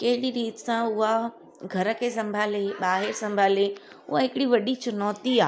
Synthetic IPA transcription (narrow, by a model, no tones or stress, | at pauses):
kɐɦɪɗiɾiːt̪sãʊɦa | ɡʱɐɾə̆kʰesɐ̃mbʱaːleɓaːɦɪɾsɐ̃mbʱaːle | ʊɦaɦɪkɪɽiʋɐɗit͡ɕɐnɔːt̪iaː